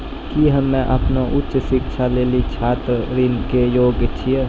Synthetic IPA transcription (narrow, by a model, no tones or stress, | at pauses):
kiɦəmːɛ̃ʔəpnoʔʊtːʃsɪkʃʰaleːlit͡ʃʰaːt̪ɾɾinkejoːɡt͡ʃʰie